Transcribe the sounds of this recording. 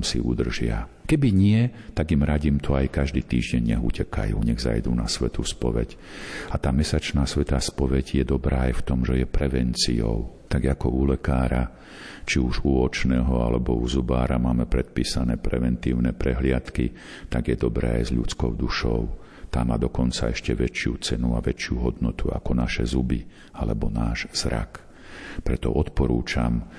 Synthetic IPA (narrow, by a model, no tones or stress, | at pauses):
msḭṵd̪r̩ʒɪa̰kɛbiɲɪɛt̪aɡimɾaɟiːmt̪ʰɔajkaʒd̪iːt̪iːʒɟɛɲɲɛɦṵcɛka̰jṵːɲɛɣza̰jd̪uːnasʋɛt̪uspɔʋɛ̰cat̪aːmɛsat͡ʃnaːsʋɛt̪aːspɔʋɛɟjɛd̪ɔbɾaːajft̪ɔmʒɛjɛpɾɛʋɛnt͡sijɔ̰ʊt̪aɡakɔulɛkaːɾa | t͡ʃiuʒuɔt͡ʃnɛːɦɔalɛbɔuzubaːɾamaːmɛpɾɛt̪̚piːsanɛːpɾɛʋɛnt̪iːʊnɛpɾɛɦlɪat̪ki | t̪aɡjɛd̪ɔbɾɛːa̰jzʎut͡skɔʊd̪uʃɔʊ | t̪aːmaːd̪ɔkɔnt͡saɛʃcɛʋɛt͡ʃɪut͡sɛnua̰ʋɛt͡ʃɪuɦɔd̪nɔt̪ua̰kɔnaʃɛ̰zubi | alɛbɔnaːʒz̥ɾa̰k | pɾɛt̪ɔ̰ʔɔt̪pɔɾuːt͡ʃam